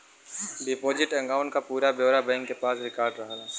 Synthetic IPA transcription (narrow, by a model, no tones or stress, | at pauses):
ɖɪpoːd͡ʒɪʈɐ̃ŋɡaːʊ̃ɳʈkapuːɾabjoːɾabɛ̃ːŋkːepaːsɾɪkaːɾɖɾɐɦalaː